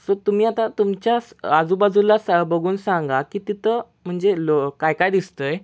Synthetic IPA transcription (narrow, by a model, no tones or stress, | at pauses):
sot̪umiːat̪ãt̪umt͡ɕjasad͡zubad͡zulasbəɡʱuːnsãŋɡakit̪it̪ʰə | m̤əɳd͡zelokajkajd̪ist̪əj